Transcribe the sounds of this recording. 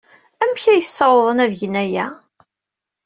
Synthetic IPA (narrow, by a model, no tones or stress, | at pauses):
æmçæjəsːɑwðˤənævʝənæjæ